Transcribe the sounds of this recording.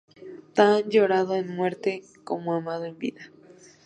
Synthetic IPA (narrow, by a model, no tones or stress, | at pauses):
t̪and͡ʒoɾaðoenmweɾt̪e | komoamaðoembḭða